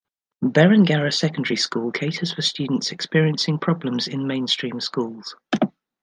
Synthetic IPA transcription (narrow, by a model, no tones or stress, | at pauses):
bɛɹə̃nɡaɹəsɛkə̃ndəɹiskuːlˠkʰeɪtʰəz̥fəst͡ʃʉːdⁿn̩tsɛkspɪəɹiə̃nsɪ̃ŋpʰɹ̥ɒblə̃mzɪ̃nmẽɪ̃nstɹ̥ĩːmskuːlˠz̥